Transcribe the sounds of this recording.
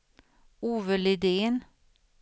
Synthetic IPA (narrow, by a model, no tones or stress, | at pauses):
uːvəlɪd̪eːn